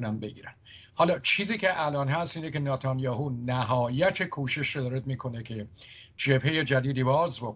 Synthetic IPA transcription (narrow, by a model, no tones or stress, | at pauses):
nænbeɡḭːɾæn | hɒːlɒːt͡ʃʰiːziːcʰe̞ʔælɒːnɦæst̪iːnece̞nɑːt̪ʰɒnjɒːhuːnæɦɒːjæt̪ʰekʰuːʃe̞ʃɾod̪ɒːɾed̪̚miːkʰo̞nekʰe̞ | d͡ʒe̞bhe̞je̞d͡ʒæd̪iːd̪iːbɒːzbok